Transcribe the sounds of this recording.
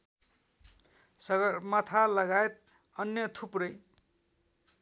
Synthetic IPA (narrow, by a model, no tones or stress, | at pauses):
sʌɡʌrmʌt̪ʰalʌɡaet̪̚ | ʌnjʌt̪ʰuprʌj